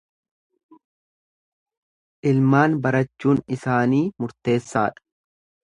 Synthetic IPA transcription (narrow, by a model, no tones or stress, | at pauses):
ʔɪlmaːnbɐɾɐt͡ʃːuːnɪsaːniːmʊɾt̪e̞ːsːaːᶑɐ̥